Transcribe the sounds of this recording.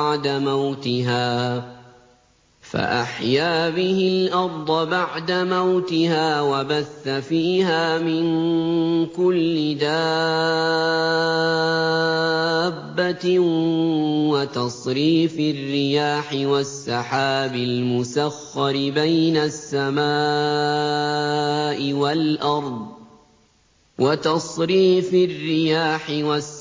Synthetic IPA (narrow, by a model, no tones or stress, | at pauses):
ʕd̪amawt̪ɪɦaː | fa̰ʔaħjaːbɪhɪlʔɑɾˤd̪ˤɑbaʕd̪amawt̪ɪhaːwabaθːafiːhaːmɪn | kʊlːɪd̪aː | bːa | wat̪ɑsˤɾiːfɪrːɪjaːħɪwasːɑħaːbɪlmʊsaxːɑɾɪbajnasːamaː | ʔɪwalʔɑɾˤd̪ˤ | wat̪ɑsˤɾiːfɪrːɪjaːħɪwas